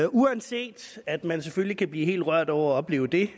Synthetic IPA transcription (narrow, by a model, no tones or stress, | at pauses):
uænse̝̰ːd̥æd̥mænseføllikʰæb̥liːɦe̝̰ːld̥ʁɶɐ̰d̥ɒʊ̰ɐæɒ̽b̥le̝̰ːʊd̥e̝